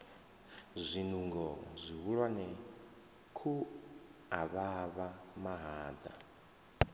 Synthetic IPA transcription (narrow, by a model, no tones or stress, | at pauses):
zʷinuŋɡɔzʷiɦuɺwanɛ | kʰu | aβaβamaɦaːd̪a̰